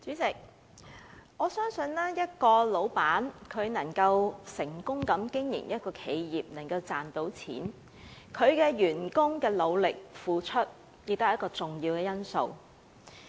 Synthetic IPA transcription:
t͡syː˨˥t͡sɪ˨k̚ | ŋɔː˨˧sœː˥ŋsɵ˧nlɛː˥jɐ˥t̚kɔː˧lo˨˧˥wpaː˨˥nkʰɵ˨˧ɥnɐ˨˩ŋkɐ˧wsɪ˨˩ŋkʊ˥ŋkɐ˨˥mkɪ˥ŋjɪ̰˨˩ŋjɐ˥t̚kɔː˧kʰe˨˧jjiː˨˩p̚nɐ˨˩ŋkɐ˧wt͡saː˨nt̪o˨˥wt͡sʰḭː˨˥n | kʰɵ˨˧ɥkɛː˧jyː˨˩nkʊ˥ŋkɛː˧lo˨˧wlɪ˨k̚fuː˨t͡ʃʰɵ˥t̚ | jɪ˧k̚t̪ːjɐ˥kɔː˧t͡sʊ˨ŋjiː˧wkɛː˧jɐ˥nso̰˨˧w

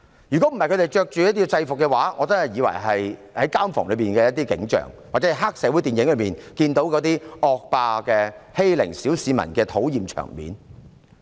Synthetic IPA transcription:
jyː˨˩kɔ˨˥m̩˨˩ɐ˨jkʰɵ˧te˨jt͡ʃœː˧k̚t͡ʃyː˨jɐ˥t̪̬̚i˥t͡sɐ˧jfʊ˨kːɛ˧waː˨˥ŋɔː˨˧t͡sɐ˥nhɐ˨jiː˨˧wɐ̰˨˩jɦɐ˨jhɐ˨˥jkaː˥mfɔ̰ː˨ŋlɵ˨˧pmiː˨nkɛː˧jɐ˥t̪iː˥kɪ̰˨˥ŋt͡ʃœ̰ː˨˩ŋwaː˨k̚t͡sɛ˨˥˧ɦaː˥k̚sɛː˨˧wuː˨˥jt̪iː˨njɪ˨˥ŋlɵ˨˧miː˨˩nkiː˧nt̪o˨˥wkɔ˨˧˥t̪iː˥ɔː˨˧k̚paː˧kɛː˧he˥jlɪ̰˨˩ŋsiː˨˥wsiː˨˧mɐ̰˨˩nkɛː˧t̪ʰo˨˥wjiː˨mt͡ʃʰœ̰ː˨˩ŋmḭː˨˥n

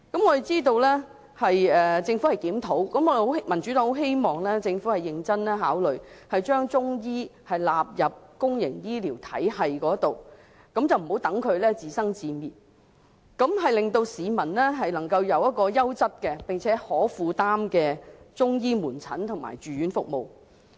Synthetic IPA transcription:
kɐ˨˥mŋɔː˨˧e˨jt͡siː˥t̪̬o˧wlɛː˥ | hɐ˨jɛː˨t͡sɪ˧ŋfu˨˥hɐ˨jkiː˨˥mt̪ʰo˨˥wkɐ˨˥mɔ˧˨hmɐ˨˩nt͡ʃy˨˥ɔː˨˥ŋho˨wɦe˥jmɔː˨ŋlɛː˥t͡sɪ˧ŋfuː˨˥hɐ˨jɪ˨ŋt͡sɐ˥nlɛː˥ɦaː˨˥wlɵ˨ɥhɐ˨jt͡ʃœː˥ŋt͡sʊ˥ŋjiː˥hɐ˨˩jlaː˨p̚jɐ˨p̚kʊ˥ŋjɪ̰˨˩ŋjiː˥liː˨˩wt̪ʰɐ̰˨˥jhɐ˨jkɔː˨˥ɐ˥t̪o˨˩w | kɐ˨˥mt͡sɐ˨wm̩˨˩hwt̪ɐ˨˥ŋkʰɵ˨˧ɥlɛː˥t͡siː˨sɐ˥ŋt͡siː˨˧miː˨t̚ | kɐ˨˧˥mɦɐ˨jlɪ˨ŋt̪o˧wsiː˨˧mɐ˨˩nlɛː˥ɦɐ˨jlɐ˨˩ŋkɐ˧wjɐ˨˧wjɐ˥t̚kɔː˧jɐ˥wt͡sɐ˥t̚kɛː˧pɪ˨ŋt͡sʰɛː˨˥hɔː˨˥fuː˧t̪aː˥mkɛː˧t͡sʊ˥ŋjiː˥muː˨˩nt͡sʰɐ̰˨˥nt̪ʰʊ˨˩ŋma̰ː˨˩jt͡ʃyː˨jyː˨˥nfʊ˨k̚mo̰˨˩w

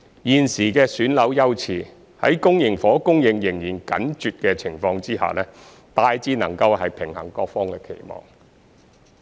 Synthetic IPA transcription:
jiː˨nsiː˨˩kɛː˧syː˨˥nlɐ˨˥wjɐ˥wt͡sʰiː˨˩ | hɐ˨˥jkʊ˥ŋjɪ˨˩ŋfɔː˨˥kʊ˥ŋjɪ˨ŋjɪ˨˩ŋjiː˨˩nkɐ̰˨˥nt͡ʃyː˨t̚kɛː˧t͡sʰɪ˨˩ŋfɔː˧ŋt͡siː˥ha̰ː˨lɛː˥ | t̪aː˧jt͡siː˥nɐ˨˩ŋkɐ˧whɐ˨jpʰɪ˨˩ŋhɐ̰˨˩ŋkɔː˧k̚fɔː˥ŋkɛː˧kʰḛ˨˩jmɔ̰ː˨˩ŋ

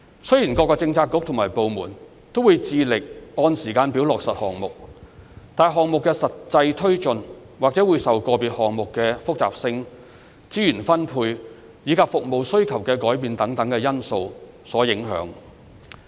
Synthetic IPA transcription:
sɵ˥ɥjiː˨˩nkɔː˧kːɔː˧t͡sɪ˧ŋt͡sʰaː˧kːʊ˨˥k̚t̪ʰʊ˨˩ŋmaː˨˩jpo˨wmuː˨˩n | t̪o˥wuː˨˧jt͡siː˨˧lɪ˨k̚ɔː˧nsiː˨˩kaː˧npi˨˥wlɔː˨k̚sɐ˨t̚hɔː˨ŋmʊ˨k̚t̪aː˨˩jɦɔː˨ŋmʊ˨kːɛː˧sɐ˨tt͡sɐ˧jt̪ʰɵ˥ɥt͡ʃɵ˨n | waː˨k̚t͡sɛː˨˥wuː˨˧jsɐ˨wkɔː˧piː˨t̚hɔː˨ŋmʊ˨kːɛː˧fʊ˥k̚t͡sa̰ː˨p̚sɪ˧ŋ | t͡siː˥jyː˨˩nfɐ˥npʰuː˧j | jiː˨˥kʰaː˧p̚fʊ˨k̚mo˨wsɵ˥ɥkʰɐ˨˩wkɛː˧kɔː˨˥jpiː˧nt̪ɐ˨˥ŋt̪ɐ˨˥ŋkɛː˧jɐ˥nso˧w | sɔː˨˥jɪ˨˥ŋɦœ̰ː˨˥ŋ

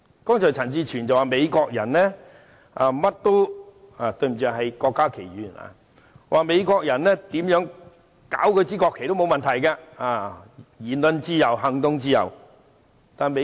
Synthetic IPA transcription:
kɔː˥ŋt͡sʰɔː˨˩t͡sʰɐ˨˩nt͡siː˧t͡ʃʰyː˨˩nt͡sɐ˨waː˨˩me˨˧jkɔː˧k̚jɐ˨˩nlɛː˥ | ʔa˧mɐ˥t̚t̪o˥w | a˨˩t̪ɵ˧ɥm̩˨˩œː˧˨hɐ˨jkɔː˧kːaː˥kʰe˨˩jjyː˨˩na̰˧˨ | wʔaː˨˩me˨˧jkɔː˧k̚jɐ˨˩nɛː˥t̪iː˨˥mjœː˨˥ŋ | ka̰ː˨˥wkʰɵ˧jt͡siː˥kɔː˧kʰːjt̪o˥wmo˨˧wmɐ˨nt̪ʰɐ˨˩jkaː˧aː˧˩jiː˨˩nlɵ˧nt͡siː˥jɐ˨wɦɐ˨ŋt̪ʊ˧ŋt͡siː˥jɐ̰˨w | t̪aː˨me˧

